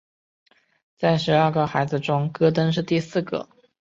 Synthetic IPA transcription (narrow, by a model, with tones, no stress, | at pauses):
t͡sa˥˩ɪʂɻ̩˧˥ə˞˥˧ɡə˧˩xa˧˥ɪd͡zɹ̩˧ʈ͡ʂʊ˥ŋkɤ˥t̪ə˥nʂ̬ɻ̩˥˧t̪i˥˧sɹ̩˥˩ɡə̰˧˩˦